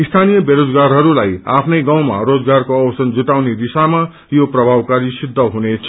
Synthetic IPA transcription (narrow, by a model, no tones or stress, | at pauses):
ist̪ʰanijʌbeɾod͡zɡarɦʌɾulaja̰pʰnʌjɡaw̃ma̰rod͡zɡarkoʌwʌsʌnd͡zut̪awned̪isama | joprʌbʱawkaɾisid̪ʱːʌɦunet͡sʰʌ